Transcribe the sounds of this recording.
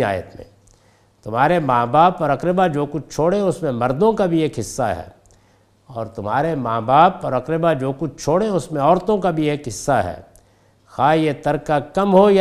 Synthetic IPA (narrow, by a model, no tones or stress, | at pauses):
a̰ːjə̰t̪mḛ̃ | t̪ʊm̤ɦaːɾemaːbaːpɔːɾɐkɾɪbad͡ʒoːkʊt͡ʃʰt͡ʃʰoːɽẽʊsmẽmɐɾd̪õkabʱieːkɦɪsːa̰ɦɛ̰ː | ɔːɾt̪ʊmɦaːɾemaːbaːpɔːɾɐkɾɪbad͡ʒoːkʊt͡ʃʰt͡ʃʰoːɽẽʊsmẽɔːɾt̪õkabʱieːkɦɪsːaɦɛ̰ː | xaːjet̪ɐɾkakɐmɦoj